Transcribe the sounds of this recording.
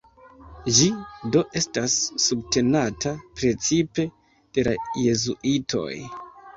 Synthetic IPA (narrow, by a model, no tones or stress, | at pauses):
d͡ʒido̞ʔe̞stasːubte̞natʰapɾe̞t͡sipe̞ | d̥e̞la̰je̞zuʔitʰo̞̰j